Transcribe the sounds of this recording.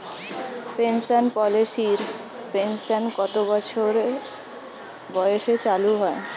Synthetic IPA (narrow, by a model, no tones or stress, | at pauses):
pensanpɔleʃiɾ | pensanɡɔt̪obɔt͡ɕʰoɾ | bɔjeʃet͡ɕaluɦɔe